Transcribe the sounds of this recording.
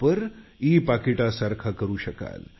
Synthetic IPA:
pəɾiːpakiʈasaɾkʰakəɾuːɕəka̰l

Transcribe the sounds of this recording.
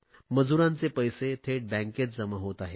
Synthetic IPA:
məd͡zuɾãnt͡sepəjset̪ʰeʈ̚bɛ̃ŋket͡s̚d͡zəməɦot̪aɦe

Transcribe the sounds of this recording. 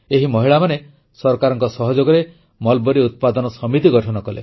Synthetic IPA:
eɦimɔɦiɭamane | sɔɾɔkaɾɔŋkɔsɔɦɔd͡ʒoɡɔɾe | mɔlbɔɾiut̪̚pad̪ɔnɔsɔmit̪iɡɔʈʰɔnɔkɔlḛ

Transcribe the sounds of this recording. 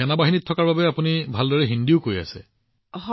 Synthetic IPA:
ɛnabaɦinitʰːɔkaɹbabɛapunibʱaldɔɹɛɦindiʊkoɹja̰sɛ̰ | h

